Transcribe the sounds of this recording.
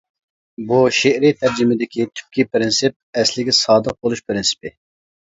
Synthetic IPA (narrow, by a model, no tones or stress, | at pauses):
buʃeʔɾit̪ʰæɾd͡ʒimɪd̪ɪkʲit̪ʰy̥p̚kʲipɾɪnsɪp̚ɛslɪɡʲɛsɑːd̪əq̚bolˠuʃpɾɪnsɪ̥pɪ